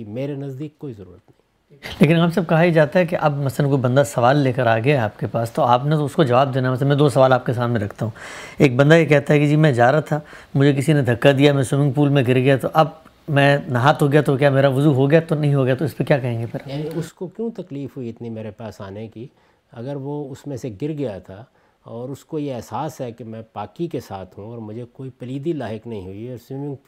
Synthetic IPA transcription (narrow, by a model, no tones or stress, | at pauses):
imeːɾenɐzd̪iːkːoːizɐɾṵːɾət̪nɐɦĩ | leːkɪ̃naːmsɐb̚kɐɦaid͡ʒaːt̪aɦɛk̬eʔɐbmɐslənkoːibɐ̃nd̪asɐʋaːlːeːkəɾaːɡɐjaaːp̚kepaːst̪oaːpnet̪oʊskod͡ʒɐʋaːb̚d̪eːnaɛmɐslənmɛ̃d̪oːsɐʋaːlaːp̚kes̬aːmmẽɾɐkʰt̪aɦũːeːk̚bɐ̃nd̪ajekɛɦt̪aɦɛkid͡ʒiːmɛ̃d͡ʒaːɾat̪ʰaː | mʊd͡ʒʱek̬ɪsinẽd̪ʱɐkːad̪ijamɛ̃sʊmɪ̃ŋɡ̚puːlmẽɡɪɾɡɐjat̪oʔɐb̚ | mɛ̃ːnɐɦaːt̪ɦoɡɐjat̪ok̬jaːmeːɾaʋʊzuɦoɡɐjat̪onɐɦĩɦoɡɐjat̪oɪspekjaːkɐɦẽːŋɡepʰɪɾaʊskokjũːt̪ɐkliːfɦuiɪt̪nimeːɾepaːsaːnẽki | ɐɡəɾʋoʊsmẽseɡɪɾɡɐjat̪ʰa | ɔːɾʊskojeɛɦsaːsɦɛkemɛ̃paːkikesaːt̪ʰɦũɔːɾmʊd͡ʒʱekoːipɐliːd̪ilaːɦɪknɐɦĩɦʊiɔːɾsɪmɪ̃ŋɡ